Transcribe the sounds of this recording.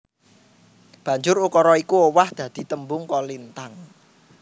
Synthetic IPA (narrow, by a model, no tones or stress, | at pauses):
b̥ä̤ɲd͡ʒʊɾukɔɾɔikuowahd̪̥ä̤d̪̥i̤t̪əmbʊŋkɔlint̪aŋ